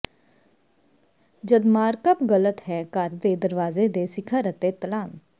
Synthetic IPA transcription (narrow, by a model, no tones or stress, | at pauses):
d͡ʒəd̪maːɾkəpɡələt̪ɦɛːkəɾd̪eːd̪əɾʋaːzeːd̪eːsɪkʰaɾət̪eːt̪əlaːn